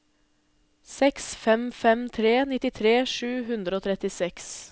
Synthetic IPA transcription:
sɛksfɛmfɛmt̪ʰɾeːnɪt̪ɪt̪ʰɾeːʂʉːɦʉnd̪ɾəoːt̪ʰɾɛt̪ɪsɛks

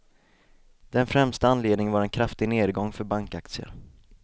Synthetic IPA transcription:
d̪̥ɛnfɾɛmst̪aanːleːd̪nɪŋənvaɾɛnkʰɾaft̪ɪɡneːd̪ɡɔŋːfœɾbaŋkak̚t̪sɪə̰ɾ

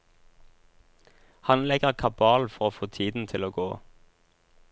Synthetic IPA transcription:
hɑnlɛɡəʁkʰɑbɑːlfɔʁoːfoːt̪ʰiːd̪n̩t̪ʰɪloːɡoː

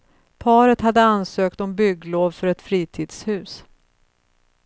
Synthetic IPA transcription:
pʰɑːɾət̪had̪ːəansøːkt̪ɔmbʏɡloːvfœɾɛt̪fɾiːt̪ʰiːd̪shʉ̟ːs

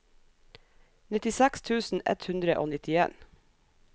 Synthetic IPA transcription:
nɪt̪ɪsækst̪ʰʉːsn̩ʔɛ̰t̪hʉnd̪ɾəʔo̰ːnɪt̪ɪḛːn

